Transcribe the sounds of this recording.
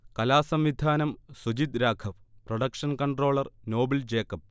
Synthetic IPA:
kɐlaːsɐmʋid̪ʱaːnɐmsud͡ʑit̪ɾaːkʰɐʋprɐɽɐkʂɐnkɐɳɖro̞ːɭɐrno̞ːbɐld͡ʑeːkːɐp̚

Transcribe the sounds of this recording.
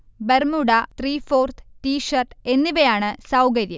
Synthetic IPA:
bermuɽɐt̪riːfo̞ːrt̪ʰtiːʂɐrʈe̞nːiʋɐjaːɳɨsɐwkɐɾjɐ

